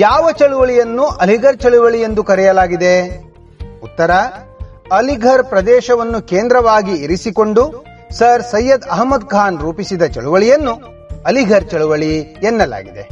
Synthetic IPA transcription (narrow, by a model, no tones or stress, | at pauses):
jaːʋɐt͡ʃɐɭuʋɐɭijɐnːuʔɐliɡʱɐɾt͡ʃɐɭuʋɐɭije̞nd̪ukɐɾɛjɐlaːɡid̪e̞ | ut̪ːɐɾɐ | ɐliɡʱɐɾpɾɐd̪ɛːʃɐʋɐnːukeːnd̪ɾɐʋaːɡiiɾisikoɳɖu | sɐɾsɐjːɐd̪ɐɦɐmːɐd̪̚kʰaːnɾuːpisid̪ɐt͡ʃɐɭuʋɐɭijɐnːu | ɐliɡʱɐɾt͡ʃɐɭuʋɐɭijɛnːɐla̰ːɡid̪e